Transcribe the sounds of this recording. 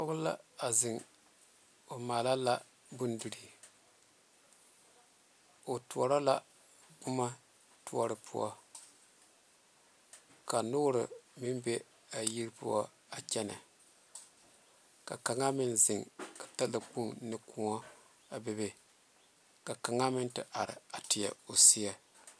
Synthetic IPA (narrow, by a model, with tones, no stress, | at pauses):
pɔ˦ɣʊ˦la̰˦a˨zɪ˨ŋ | o˨maː˨la˦la˦ | bu˦ndu˨ɾi˨ | o˨tu˨ɔ˨ɾa˦la˦ | ɡ͡bʊ˦ma˦ | tu˦ɔ˨ɾɨ˨pʰṵ˦ɔ̰˦ | ka˨nʊ˦ɾɨ̰˨mɪ˦mbe˦ | a˨ji˦ɾɨ˦pṵ˦ɔ˦ | a˨t͡ʃɛ˦na̰˨ | ka˨ka˨ŋa˦mɪ˦nzɪ˨ŋka˨ta˦lɨ˨k͡pu˦ŋnɨ˦kʰu˦ŋɔ˦ | a˨bɛ˦be˦ | ka˨ka˨ŋa˦mɪ˦ntɨ˦ʔa˨ɾɪ̰˨a˨tɪ˨ja̰˨o˨si˦a˦